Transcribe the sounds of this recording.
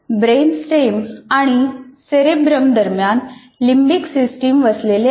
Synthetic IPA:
bɾensʈemaɽ̃iseɾebɾəmd̪əɾmjan | limbiksisʈiːmʋəslele

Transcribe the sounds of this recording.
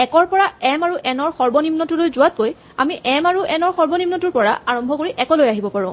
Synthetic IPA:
ɛkɔɹpɔɹaɛmaɹuʔɛnɔɹxɔɹbɔnimnɔtulojzʊwat̚koj | amiʔɛmaɹuʔɛnɔɹxɔɹbɔnimnɔtuɹpɔɹa̰aɹɔmbʱɔkoɹiʔɛkɔlojaɦibɔpaɹɔ̃

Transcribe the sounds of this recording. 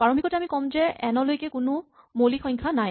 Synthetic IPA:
paɹombʱikɔtɛamikɔmzɛʔɛnɔlojkɛkʊnʊ | molixɔ̃jɲkʰanaj

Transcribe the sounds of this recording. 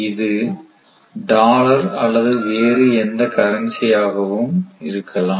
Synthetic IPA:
ɪðɯ | ɖaːlɐɾɐlːɐðɯʋeːɾɯɛnd̪ɐkɐɾɐnsɪjaːɣɐʋɯmɪɾɯkʰːɐlãː

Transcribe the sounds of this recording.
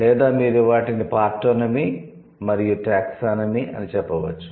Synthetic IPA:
lɛːd̪aːmiːɾuʋaːʈinipaːɾʈːoːnɐmi | mɐɾijuʈaːksaːnɐmiʔɐ̰nit͡ʃɛpːɐʋɐt͡ʃːu̥

